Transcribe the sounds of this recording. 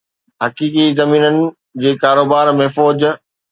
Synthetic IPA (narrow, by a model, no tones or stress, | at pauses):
ɦɐkiːkizɐmiːnənɪ̆ | d͡ʑeːkaːɾoːbaːɾmẽːfɔːd͡ʑ